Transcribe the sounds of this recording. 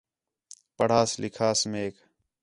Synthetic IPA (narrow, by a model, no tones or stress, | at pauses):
pəɽ̤aːslɪkʰaːsmeːk